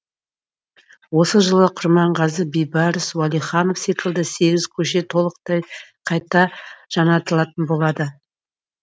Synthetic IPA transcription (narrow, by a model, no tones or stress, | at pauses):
wo̞səʒəlˠəqʰʊɾmɑɴʁɑzəbijbɑɾəswalˠijχɑno̞fsit̪əlˠd̪əse̞ɡʲɪzkʲʰɵʃe̞t̪ʰo̞lˠəq̚t̪ɑjqʰɑjt̪ɑʒ̥ɑnɑt̪əlˠɑt̪ənbo̞lˠɑd̪ə